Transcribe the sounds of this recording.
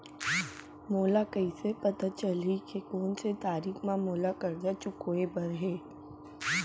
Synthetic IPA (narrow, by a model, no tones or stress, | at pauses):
moːlakɐisepɐt̪at͡ʃəlikekoːnset̪aːɾiːkʰmãmoːlakɐɾd͡ʒat͡ʃʊkoebɐɾɦeː